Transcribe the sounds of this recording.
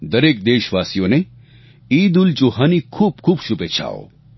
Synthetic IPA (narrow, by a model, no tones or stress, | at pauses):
d̪ɐɾeːk̚d̪eːʃʋaːsijõne | iːd̪ult͡ʃoɦaːnikʰuːb̚kʰuːbʃupet͡ʃʰa̰ːo̰